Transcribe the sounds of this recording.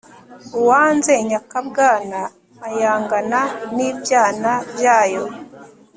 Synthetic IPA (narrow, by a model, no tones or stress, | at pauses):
uwaːnzeɲakab̚ɡaːnaː | jaːŋɡananiːbjaːnabjaːjo